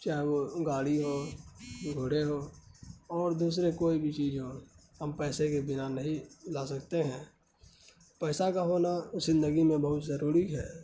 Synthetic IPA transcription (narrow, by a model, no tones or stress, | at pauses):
t͡ʃaːɦeʋoɡaːɽiɦo | ɡʱoːɽ̤eɦo | ɔːɾd̪uːs̬ɾekoːibʱit͡ʃiːd͡ʒɦohəmpɛːsekebɪnanəɦĩlaːsəkt̪eɦɛ̃ː | pɛːsakaɦoːnazɪ̃nd̪əɡimẽbəɦʊt̪zəɾuːɾiɦɛː